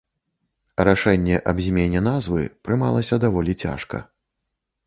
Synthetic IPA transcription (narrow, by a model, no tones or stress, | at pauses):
ɾaʂɛnʲːɛʔɐbzʲmʲenʲɛn̪azvɨ̰pɾɨmalˠɐsʲɐd̪avɔlʲit͡sʲa̰ʂkɐ̰